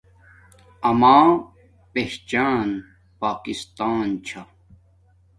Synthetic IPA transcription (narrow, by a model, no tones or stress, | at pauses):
ɐmaː | peht͡ɕaːn | paːkist̪aːnt͡ɕʰa